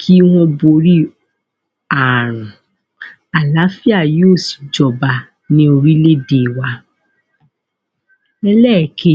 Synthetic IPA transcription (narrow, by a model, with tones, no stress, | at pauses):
kʰi˦w̃ɔ̃˧bo˧ɾi˦ | a˨ɾ̃ũ˨ | a˨la˨˦fi˦a˦˨jo˦˨si̥˨d͡ʒɔ˨ba˧ | nĩ˦o˧ɾi˦le˦de˦˨wa˧ | ɛ˧lɛ˦˨kʰe˦